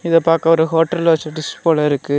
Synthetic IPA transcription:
ɪðɐpaːɾkɐɔɾɯɦoːʈːɐlɐsɐʈːɪspoːlɐɪɾɯkːɯ

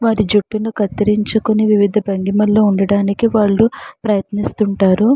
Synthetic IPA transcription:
ʋaːɾid͡ʒuʈːunukɐt̪ːiɾiɲt͡ʃukoniʋiʋid̪ʱɐbɐŋɡimɐlːoːuɳɖɐɽaːnikiʋaːɭːupɾɐjɐt̪nist̪uɳʈaːɾu

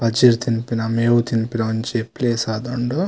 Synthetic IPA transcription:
pɐd͡ʒiɾt̪inpinɐmeːwut̪inpinɐɐɲt͡ʃepːleːsaːd̪ɐɳɖo

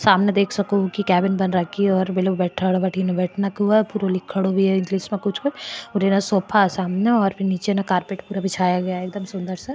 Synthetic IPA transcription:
saːmned̪eːkʰsɐkokikɛːbɪnbɐnɾɐkʰːiɔːɾbɪloːbbɛːʈʰəɽbɐʈʰinẽbɛːʈʰnakɦuapuːɾolɪkʰːəɽobʱiɛɪ̃ŋɡliːsmẽkʊt͡ʃʰkʊt͡ʃʰʊɾenasɔːpʰasaːmneɔːɾpʰɪɾniːt͡ʃenẽkaːɾpeːʈpuːɾabɪt͡ʃʰaːjaɡɐjaeːkd̪əmsʊ̃nd̪əɾse

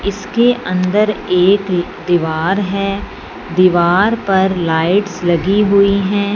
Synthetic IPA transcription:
ɪskeʔɐ̃nd̪əɾeːk | d̪iːʋaːɾɦɛː | d̪iːʋaːɾpɐɾlaːɪʈslɐɡiɦʊiɦɛ̃ː

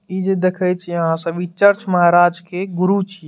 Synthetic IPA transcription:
id͡ʒed̪ekʰəjt͡ʃʰijəɦãsə̃bit͡ʃəɾt͡ʃməɦaɾad͡ʒkeɡʊɾut͡ʃʰi

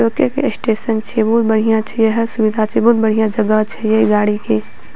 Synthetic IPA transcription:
okekḛsʈeːsənt͡ʃʰibuːt̪̚bəɽ̤ijãt͡ʃʰɛjeɦəsʊʋɪd̪ʱat͡ʃʰibuːt̪̚bəɽ̤ijãd͡ʒɐɡat͡ʃʰɛjeiɡaːɽike

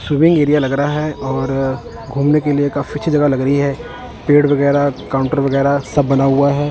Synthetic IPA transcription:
swiːmɪ̃ŋɡeːɾijalɐɡɾɐɦaɦɛɔːɾ | ɡʱuːmnekeliekaːfit͡ʃʰid͡ʒɐɡalɐɡɾəɦiɦɛː | peːʈʋɐɣɛːɾakaːʊ̃ɳʈəɾʋɐɣɛːɾasɐbːɐnaɦuaɦɛː

